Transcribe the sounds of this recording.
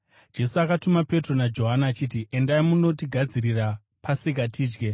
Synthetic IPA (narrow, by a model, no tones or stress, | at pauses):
d͡ʒe̞suakatumape̞tro̞nad͡ʒo̞ɦanaːt͡ʃiːtiʔe̞ndaimuno̞t̬iɡʱad͡ziɾira | pasikatʰiːd͡ʒɡe̞